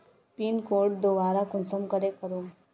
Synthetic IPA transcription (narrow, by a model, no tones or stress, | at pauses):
pinkoɾʈ̚d̪oʋaɾakunsəmkəɾekəɾu